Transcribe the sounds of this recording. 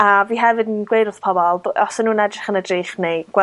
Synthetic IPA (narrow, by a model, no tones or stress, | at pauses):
aviːɦɛvɨdnɡwejdʊθpʰɔbɔlˠɔsɛnuːnɛdrɪχənədriːχnejɡ̥wɛ